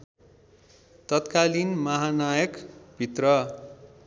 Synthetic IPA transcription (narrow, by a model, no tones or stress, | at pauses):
t̪ʌt̪kalinmʌɦanajʌkbʱit̪rʌ